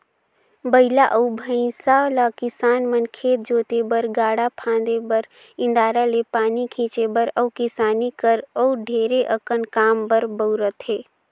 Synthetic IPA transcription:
bəɪlaʔəubʱəɪ̃salakɪsaːnmənkʰeːt̪̚d͡ʒoːt̪ebəɾɡaːɽapʰãːnd̪ebəɾ | ɪ̃nd̪aːɾalepaːnikʰĩːt͡ʃebəɾəukɪsaːnikəɾəuɖʱeːɾeʔəkənkaːmbəɾbəʊɾət̪ɦeː

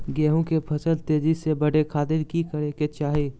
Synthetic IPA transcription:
ɡɛːɦõkepʰɐsəlt̪eːd͡ʒisebɐɽekʰaːt̪ɪɾkikəɾeket͡ʃaːɦi

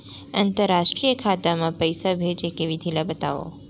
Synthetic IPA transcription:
ant̪əɾːaʃʈɾijəkʰat̪amãpəjsabʱed͡ʒekeʋid̪ʱilabət̪aʋo̰

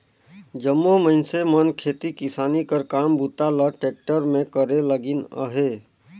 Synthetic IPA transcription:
d͡ʒəmːoməɪnsemənkʰeːt̪ikɪsaːnikəɾkaːmbʱut̪aləʈeːk̚ʈəɾmẽkəɾeləɡɪnə̰ɦe

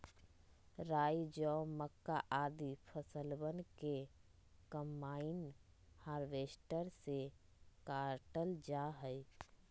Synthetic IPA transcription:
ɾaːjd͡ʒɔməkːaʔad̪ipʰəsəlbənke | kəmːain | haːɾʋesʈəɾse | kaɾʈəld͡ʒaɦəj

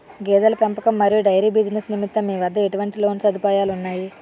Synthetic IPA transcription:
ɡɛːd̪ɐlɐpempɐkɐmːɐɾijuɖɐjɾiːbid͡ʒnesnimit̪ːɐmiːʋɐd̪ːɐe̞ʈuʋɐɳʈilo̞ːnsɐd̪ʱipaːjaːlunːaːji

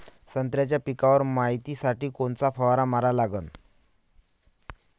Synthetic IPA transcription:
sənt̪ɾjat͡ɕjapikaʋəɾmaɦit̪iːsaʈiːkoɳt͡safʰəʋaɾamaɾalaɡən

